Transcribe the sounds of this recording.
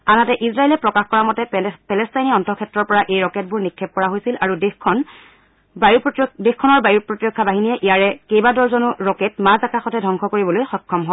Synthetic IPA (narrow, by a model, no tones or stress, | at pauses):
anatɛʔisɹaelɛpɹɔkaxkɔɹamɔtɛpɛlɛstajniɔntʰɔkʰɛtːɹɔɹpɔɹaʔejɹɔkɛt̚bʊɹnikʰːɛp̚kɔɹaɦojsilaɹudexʰɔn | dexkʰːɔnɔɹbajupɹotiɹɔkʰːabaɦinijɛʔijaɹɛkejbadɔɹzɔnuɹɔkɛtmazakaxɔtʰɛdʱɔŋkʰɔkoɹibɔlojxɔkʰːɔmɦɔ